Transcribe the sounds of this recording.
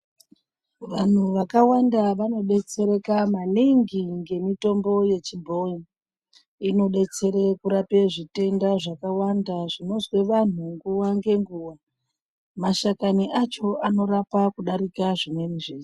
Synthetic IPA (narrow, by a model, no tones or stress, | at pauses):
ʋan̤uʋakawandaʋano̞ɗe̞t͡se̞ɾe̞kamaniŋɡiŋɡe̞mito̞mbo̞je̞t͡ʃibʱo̞i | ino̞ɗe̞t͡se̞ɾekuɾape̞ʐite̞ndaʐakawandaʐino̞zwe̞ʋan̤uŋɡuwaŋɡe̞ŋɡuːwa | maʃakaniʔat͡ʃo̞ʔano̞ɾapakuɗaɾikaʐimwe̞niʐeːi